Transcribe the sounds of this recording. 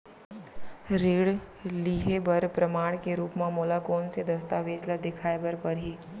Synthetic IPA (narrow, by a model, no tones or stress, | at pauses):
ɾeːɽ | liːɦebɐɾpɾəmaːɽ̃keɾuːpmãmoːlakoːnsed̪ɐst̪aːʋeːd͡ʒlad̪ɪkʰaːebəɾpɐɾɦiː